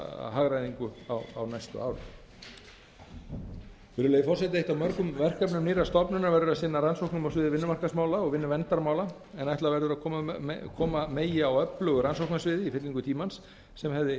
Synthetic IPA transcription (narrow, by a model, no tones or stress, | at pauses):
ɦaːɣɾajðiŋkʏa̰wa̰wnajst̪ʏ̰aːwɾɪ̰ | fɪːɾʏlejɪfɔr̥sɛt̪ɪejht̪awmœɾkʏmvɛr̥kapnʏmniːɾast̪ɔpnʏnːavɛɾðʏɾasɪnːaɾansowknamawsvɪːðɪvɪnːʏmarkasmaːwlaɔɣvɪnːʏvɛnt̪aɾmaːwla | ɛnajht̪laɾvɛɾðʏɾaðkʰɔːmkʰɔːmameːjɪawœplœːɣʏɾansowknasvɪːðɪifɪt̪liŋkʏt̪ʰiːmansː | ɛmɦɛvðɪ